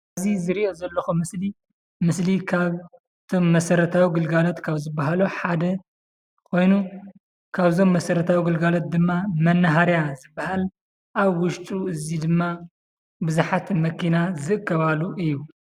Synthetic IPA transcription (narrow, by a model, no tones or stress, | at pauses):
ɐzizɨɾiʔo̞zɐlːɐxumɨsli | mɨslikʰaβ | ɨt̪ʰo̞mːɐsɐɾɐt̪ʰawiɡɨlɡalot̪kʰaβzɨbːaɦaluħad̪ɐ | kʰo̞jnu | kʰaβzo̞mːɐsɐɾɐt̪ʰawiɡɨlɡalot̪̚d̪ɨmːamɐnːɐɦaɾjazɨbːahal | ʔaβwʊʃt̪ʼuɨzid̪ɨmːa | bɨzuħat̪mɐkʰinazɨʔɨkʰːɐβaluʔɨjːu